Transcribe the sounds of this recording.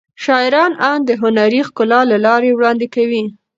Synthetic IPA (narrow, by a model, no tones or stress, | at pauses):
ʃɑɪɾɑnɑnd̪əɦʊnaɾixkʊlɑlalɑɾewɽɑnd̪ekawi